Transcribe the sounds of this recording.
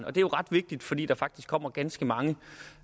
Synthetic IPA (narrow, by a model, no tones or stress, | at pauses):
nɒ̽d̥e̝æjo̝ʁɑ̈d̥ʋe̝ɡ̥̚d̥id̥fɒ̽d̥ḭːd̥ɑ̈fɑ̈ɡ̥̚d̥isɡ̥kʰɒ̽m̰ɐɡ̥ænsɡ̥əmɑ̈ŋə